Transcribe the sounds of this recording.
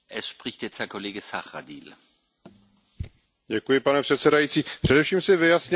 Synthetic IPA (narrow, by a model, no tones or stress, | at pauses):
ʔɛsʃpʁ̥ɪçtjɛt͡sthɛɐkʰoleːɡəsaχʁa̰dḭːl | ɟɛkujɪpanɛpr̝̥ɛt̪sɛdajiːt͡siːpr̥ɛdɛfʃiːmsɪvɪjasɲɪ